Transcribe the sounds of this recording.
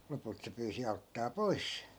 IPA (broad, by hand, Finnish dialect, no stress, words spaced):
lopult se pyːsi ɑutːɑː poi̯s